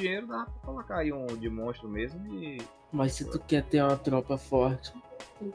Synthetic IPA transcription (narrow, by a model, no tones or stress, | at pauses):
ĩejɾʊd̪aɐpɾɐkolokaaiũd͡ʒɪmõʃt̪ɾʊmezmʊɪ | mɐssɪt̪ukɛɾt̪eɾũmɐt̪ɾɔpɐfɔɾt͡ʃɪ̥